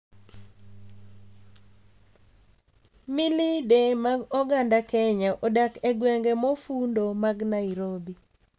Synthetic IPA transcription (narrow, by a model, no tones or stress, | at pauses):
milidemaɡɔɡandakɛɲaʔɔdakɛɡwɛŋɡemofundomaɡnaiɾobi